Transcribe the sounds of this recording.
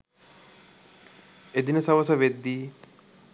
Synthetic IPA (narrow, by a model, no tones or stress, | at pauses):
ed̪inəsɐʋɐsɐʋed̪ːiː